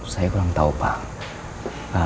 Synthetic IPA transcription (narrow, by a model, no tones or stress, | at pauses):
sɐkaːŋt̪ɐwpa̰ːŋ | aː